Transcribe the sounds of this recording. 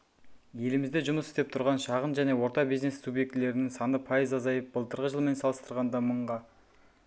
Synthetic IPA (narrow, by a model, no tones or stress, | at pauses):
je̞lɪmɪzd̪eʒʊməsɪ̥st̪e̞p̚t̪ʰʊɾʁɑnʃɑʁənʒæne̞wo̞ɾt̪ɑbizne̞subje̞k̚t̪ɪle̞ɾɪnɪŋsɑnəpʰɑjəzɑzɑjəp̚b̥əlˠt̪ʰəɾʁəʒəlˠme̞nsɑlˠəst̪əɾʁɑnd̪ɑməɴʁɑ